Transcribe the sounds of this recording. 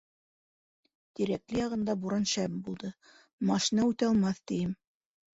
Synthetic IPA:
t̪iɾæklɘjɑʁɤ̆nd̪ɑbuɾɑnʃæmbulˠd̪ɤ | mɑʃinɑʉt̪ɑlˠmɑθt̪ijɘm

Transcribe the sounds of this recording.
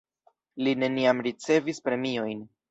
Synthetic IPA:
line̞niamɾit͡se̞vispɾe̞mio̞jn

